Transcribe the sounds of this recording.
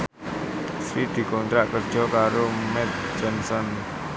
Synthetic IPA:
sid̪̥i̤kɔnt̪ɾaʔkərd̥ʒ̥ɔ̤kaɾomɛt̪̚ | d͡ʒɔnsɔn

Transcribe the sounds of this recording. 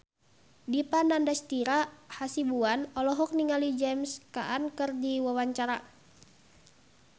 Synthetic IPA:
dipanandast̪iɾahasibuanɔlɔɦɔk̚niŋalid͡ʒɛmska̰ʔankɨrdiwawaɲt͡ʃaɾa

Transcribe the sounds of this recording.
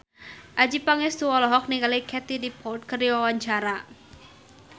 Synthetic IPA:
ʔad͡ʒipaŋɛst̪uwɔlɔɦɔk̚niŋɡalikʰɛt̪idipʰɔlt̪̚kərdiwawaɲt͡ʃaɾa

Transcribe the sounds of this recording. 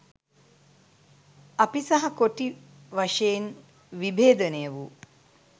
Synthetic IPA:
apisɐɦɐkoʈi | ʋaʂejin | ʋibeːd̪ənejəʋu

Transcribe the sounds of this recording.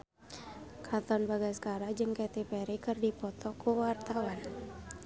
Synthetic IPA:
kʰat̪ɔnbaɡajsə̥kaɾad͡ʒɨŋkɛt̪epɛɾikɨrdipɔt̪ʰɔkʰuwart̪awan

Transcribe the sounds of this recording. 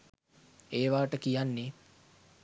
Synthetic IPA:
eːʋaːʈəkijanːe

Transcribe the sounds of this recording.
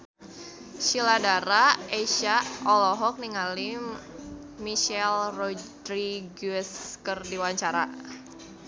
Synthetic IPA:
ʃiladaɾaeʃaɔlɔɦɔk̚niŋalim | miʃɛlrɔdɾiɡuɛskərdiwaɲt͡ʃaɾa̰

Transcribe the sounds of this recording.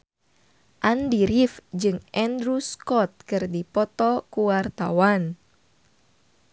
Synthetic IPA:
ʔandiɾifd͡ʒɨŋʔɛndɾuskɔt̪̚kɨrdipɔt̪ɔkuwart̪a̰wan

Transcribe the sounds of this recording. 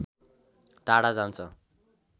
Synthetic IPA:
ʈaɽad͡zant͡sʰʌ

